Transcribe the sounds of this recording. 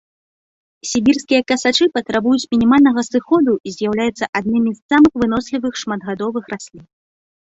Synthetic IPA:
sʲibʲirskʲijɐkɐsat͡ʂɨpɐt̪ɾabujut͡sʲmʲinʲimalʲnɐɣɐsɨxɔd̪uizʲjawlʲajut̪sːɐʔad̪̚nɨmʲizːamɨxvɨn̪ɔsʲlʲivɨxʂmad̪ɣad̪ɔvɨxrasʲlʲin

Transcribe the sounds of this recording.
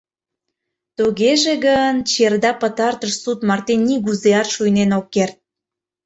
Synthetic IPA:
t̪uɣeʒeɣənt͡ɕerd̪ɑpət̪ɑrt̪əʃsut̪mɑrt̪enːiɣuzeɑrʃujnenokːert̪̚

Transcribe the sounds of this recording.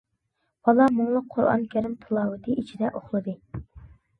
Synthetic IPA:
bɑlˠɑmuŋlˠəqʰːoɾɑ̰nkʲʰæɾɪmt̪ʰɨlˠɑwɨt̪ʰɨit͡ʃʰid̪ɛʔoχlˠɨd̪ɨ

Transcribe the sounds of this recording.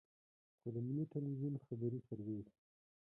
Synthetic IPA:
xod̪əmɪniʈalwizunxabaɾisaɾwez

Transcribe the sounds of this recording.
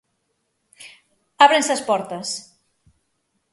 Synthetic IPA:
aβɾensɐspɔɾt̪əs

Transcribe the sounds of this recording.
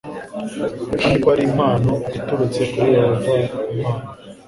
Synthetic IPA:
kanikwaɾimaːnoituɾut͡se̞kuɾiwaɾuvaimaːna

